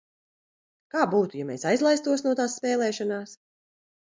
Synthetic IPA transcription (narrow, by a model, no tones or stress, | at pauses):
kaːbuːt̪ujameːsajzlˠajst̪uɔsnuɔt̪aːsːpʲɛːlɛːʃanaːs